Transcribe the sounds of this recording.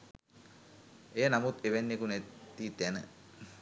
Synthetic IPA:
ejənamut̪eʋenːekunɛt̪iːt̪ænə

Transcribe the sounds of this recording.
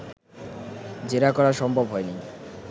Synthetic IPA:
d͡ʑeɾakɔɾaʃɔmbʱobɦɔeni

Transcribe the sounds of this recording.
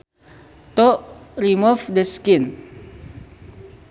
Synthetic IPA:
t̪oʔrimufdəskɪn

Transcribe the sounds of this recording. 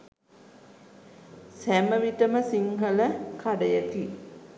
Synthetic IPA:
sæməʋiʈəməsiŋɦələkaɖəjət̪i

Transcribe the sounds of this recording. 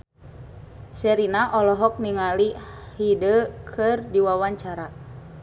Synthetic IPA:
sɛɾinaʔɔlɔɦɔk̚niŋalihidəkʰɨrdiwawaɲt͡ʃaɾa

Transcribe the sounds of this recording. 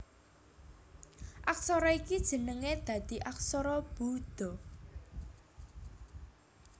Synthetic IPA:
ʔaksɔɾɔikid̥ʒ̥ə̤nəŋed̪̥ä̤d̪̥i̤ʔak̚sɔɾɔb̥ud̪̥ɔ

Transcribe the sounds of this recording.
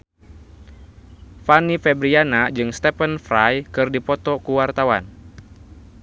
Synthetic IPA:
fanifɛbɾianad͡ʒɨŋst̪ɛpənfɾajkɨrdipɔt̪ɔkuwart̪awa̰n

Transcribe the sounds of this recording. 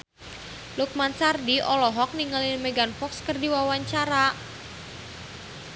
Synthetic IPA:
luk̚mansardiʔɔlɔɦɔk̚niŋalɪnmeɡanfɔkskərdiwawaɲt͡ʃaɾa

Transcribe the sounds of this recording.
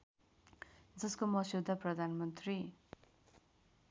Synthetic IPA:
d͡zʌskomʌsiwd̪ʱaprʌd̪ʱanmʌnt̪ri

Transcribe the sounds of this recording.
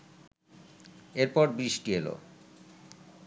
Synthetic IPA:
eɾpɔɾbɾiʃʈielo̰

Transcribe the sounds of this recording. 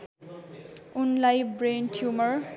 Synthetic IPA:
unlajbrenʈʰjumʌr

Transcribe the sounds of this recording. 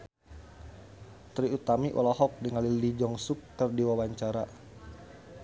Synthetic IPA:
t̪ɾiut̪amiʔɔ̰lahɔk̚dəŋalilid͡ʒɔŋsukːərdiwawaɲt͡ʃaɾa

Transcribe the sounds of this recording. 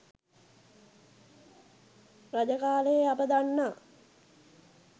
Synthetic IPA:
rad͡ʒəkaːlejeabəd̪anːa

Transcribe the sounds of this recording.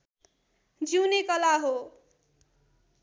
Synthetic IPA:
d͡ziwnekʌlaɦo

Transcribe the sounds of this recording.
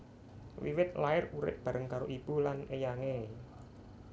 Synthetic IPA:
wḭwɪt̪̚laɪruɾɪ̰p̪̚b̥a̤ɾəŋkaɾoʔib̥ṳlanejaŋe

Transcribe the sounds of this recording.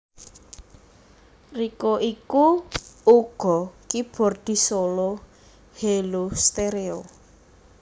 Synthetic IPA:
rikoʔikuuɡ̥ɔ̤kib̥ɔ̤rd̪̥i̤solo | helost̪eɾeo

